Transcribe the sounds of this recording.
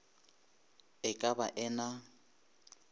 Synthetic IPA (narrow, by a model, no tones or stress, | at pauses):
ɪkʼabaʔɛna